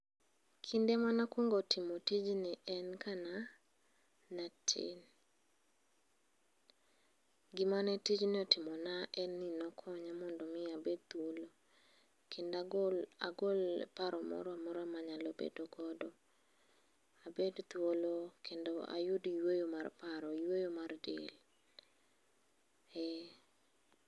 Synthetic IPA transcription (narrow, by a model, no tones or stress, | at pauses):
kʰɪndemanakwoŋɡɔtʰɪmotid͡ʒnɪʔɛnkʰana | natʰɪ̰n | ɡɪmanɛtid͡ʒnɪɔtɪmɔnaʔɛnːinɔkʰɔɲamɔndɔmɪabed̚t̪wolo | kʰendaa̰ɡolpaɾɔmɔ̰ɾɔamɔɾɔamaɲalobḛdoɡɔdɔ | abedt̪wolokʰendoa̰jʊdijwojomarpaɾɔjwojomardḛl | ɛ